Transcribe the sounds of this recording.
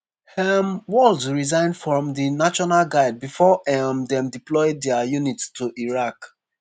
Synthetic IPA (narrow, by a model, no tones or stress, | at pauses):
hɛmwɔldzɹizãɪ̃ndfɹɔ̃mdinaʃɔnalɡaɪd̚bifɔʔɛmdɛ̃mdiplɔɪdɛəjunittʰuʔiɹak